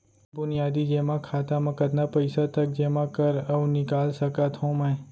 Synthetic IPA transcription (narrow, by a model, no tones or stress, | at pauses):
bʊnɪjaːd̪id͡ʒeːmãkʰaːt̪amɐ̃kɐt̪napɐɪsat̪ɐk̚d͡ʒeːmãkɐɾɐnɪkaːlsɐkat̪ɦõmɛ̃ː